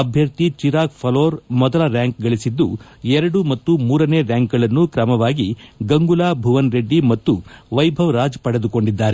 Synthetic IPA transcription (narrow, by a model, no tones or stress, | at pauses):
ɐbʱjɐɾt̪it͡ʃiɾaːkpʰɐloːɾmɔd̪ɐlɐɾjaːŋk̚ɡɐɭisid̪ːuɛɾɐɽumɐt̪ːumuːɾɐneːɾjaːŋkɡɐɭɐnːukɾɐmɐʋaːɡiɡɐŋɡulaːbʱuʋɐnɾe̞ɖːimɐt̪ːuʋɐjbʱɐʋɾaːd͡ʒpɐɽed̪uko̞ɳɖid̪ːaːɾe